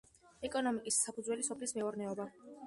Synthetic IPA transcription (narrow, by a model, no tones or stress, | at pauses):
ɛkʼɔnɔmikʼisːapʰudzwɛlisɔpʰlismɛɔɾnɛɔba